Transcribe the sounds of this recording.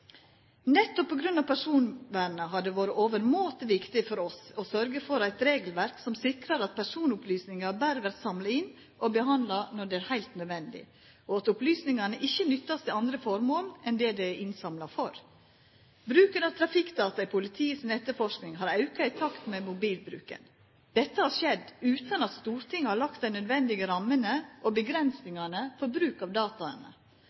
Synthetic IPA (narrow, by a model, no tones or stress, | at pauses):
nɛt̪ːɔppʰːɔɡɾʉnːɑʋpʰæʂuːnʋæːɳəɦɑɖ̪ɛʋoːɾəʔoːʋəɾmoːt̪əʋɪkt̪ɪfɔɾɔsɔsœɾɡəfɔɾæɪt̪ɾeːɡəlʋæɾksɔmsɪkɾɑɾɑt̪̚pʰæʂuːnʊplyːsnɪŋɑbæːɾəʋæɾt̪sɑmlɑɪn | ʔɔbəɦɑnd̪lɑnɔɖɛæːɾhæɪlt̪nœd̪ʋɛnd̪ɪ̰ | ɔɑt̪ʊplyːsnɪŋɑnəʔɪçːənʏt̪ːɑst̪ɛɑnd̪ɾəfɔɾmoːlɛnd̪ɛd̪ɛʔɪnsɑmlɑfɔɾ | bɾʉːkənɑʋt̪ʰɾɑfɪkd̪ɑːt̪ɑɪpʰʊlɪt̪ʰiːəsnɛt̪ːəɾfɔʂknɪŋɦɑɾɑʉkɑɪt̪ʰɑkt̪mɛmʊbiːlbɾʉ̰ːkə̰n | d̪̥ɛt̪ːəhɑɾʂɛd̪ːʉːt̪ɑnɑt̪st̪uːɾt̪ʰɪŋːhɑɾɭɑk̚t̪̚d̪æɪnœd̪ʋɛnd̪ɪɡəɾɑmːənəʔobəɡɾɛnsnɪŋɑnəfɔɾbɾʉːkɑʋd̪ɑːt̪ɑə̰nə̰